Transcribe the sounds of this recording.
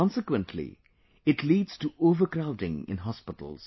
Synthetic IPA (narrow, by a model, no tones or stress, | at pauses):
ɔ̃nsɪkwə̃nʈʰlḭ | ɪʈʰliːɖz̥tuoːʋəɾkɾaʊʈɪ̃ŋɪ̰̃nɦɔspɪʈə̰l̩z̥